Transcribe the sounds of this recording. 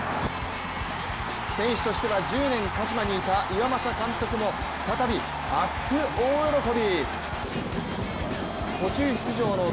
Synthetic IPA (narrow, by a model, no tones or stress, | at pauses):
sẽ̞ɰ̃ɕi̥t̪o̞ɕi̥t̪e̞βad͡ʑɨːnẽ̞ŋkaɕimaɲ̟iːt̪aʔiβamasakãnt̪o̞kɯ̟mo̞ | ɸɯ̟̥t̪at̪abʲi | at͡sɨ̥kɯ̟oːjoɾo̞ko̞bʲi | kʰo̞t͡ɕɨːçi̥t͡sɨʑo̞ːno̞